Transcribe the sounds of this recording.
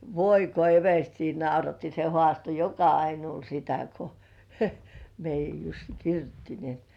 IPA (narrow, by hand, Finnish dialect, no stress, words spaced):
ʋoi ko eʋerstiː nɑurɑtːi se hŏɑˑsto jokɑɑinuːl sitæ ko meijˑæj jusːi kirjutːi ni